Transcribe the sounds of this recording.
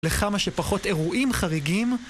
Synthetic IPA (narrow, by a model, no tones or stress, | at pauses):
leχamaʃepaχo̞te̞ʁuʔimχaʁiɡim